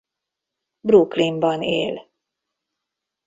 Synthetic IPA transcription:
bruklimbɒneːl

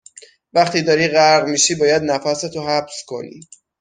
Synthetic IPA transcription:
væχt̪ʰiːd̪ɒːɾiːʁæɾʁmiːʃiːbɒːjæd̪næfæset̪ʰoɦæbskʰo̞̰nḭː

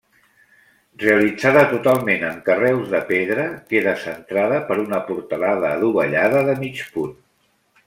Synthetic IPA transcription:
reəlid͡zaðət̪ut̪alˠmenəŋkərɛwzðəpeðɾəkeðəsənt̪ɾaðəpəɾunəpuɾt̪əlaðəːðuβəʎaðəðəmit͡ʃpun

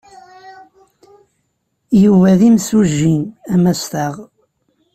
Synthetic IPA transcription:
juvæðimsuʒːinæmæst̪əʁ

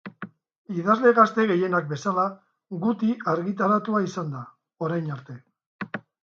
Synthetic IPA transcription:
iðazle̞ɣast̪e̞ɣe̞je̞nak̚be̞sala | ɣut̪iaɾɣit̪aɾat̪uaisand̪a | o̞ɾajnaɾt̪e̞

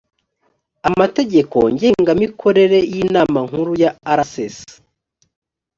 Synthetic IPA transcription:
amate̞ɟe̞ko̞̰ɲɟe̞ːŋɡamikʰo̞ɾe̞ɾe̞jiːnaːmaŋ̥huɾujaːɾases

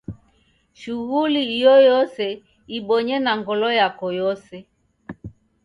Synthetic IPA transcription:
ʃuɣuliijɔjɔsɛ | iɓɔɲɛnaŋɡɔlɔjakɔjɔsɛ

